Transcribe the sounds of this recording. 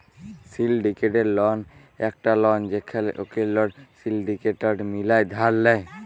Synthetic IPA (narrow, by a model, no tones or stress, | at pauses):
silɖikeʈeɾlɔn | ɛk̚ʈalɔnd͡ʒekʰaleʔokellɔɽsilɖikeʈaɖmilajd̪ʱaɾlɛj